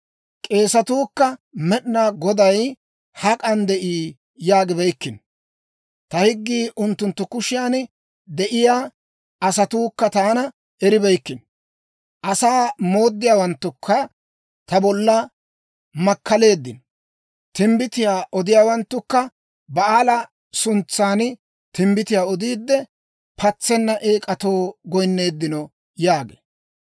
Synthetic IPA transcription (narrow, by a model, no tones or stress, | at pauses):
kʼe̞ːsɐt̪uːkːɐmɛɗnaɡɔd̪ɐj | hɐkʼɐnd̪ɛʔiː | jaːɡɪbɛjkːɪn | t̪ɐhɪɡːiːʔʊnt̪ːʊnt̪ːʊkʊʃɪjaːnɛ | d̪ɛʔɪjaː | ɐsɐt̪uːkːɐt̪aːnɐ | ɛɾɪbɛjkːɪn | ʔɐsaːmo̞ːd̪ːɪjaːwɐnt̪ːʊkʰːɐ | t̪ɐbɔlːɐ | mɐkːɐle̞ːd̪ːɪn | t̪ɪmbɪt̪ɪjaːʔɔd̪ɪjaːwɐnt̪ːʊkːɐ | bɐaːlɐ | sʊnt͡sːaːn | t̪ɪmbɪt̪ɪjaːɔd̪iːd̪ːɛ | pʰɐt͡sːɛnːɐʔe̞ːkʼɐt̪o̞ːɡɔjnːe̞ːd̪ːɪnɔ | jaːɡḛː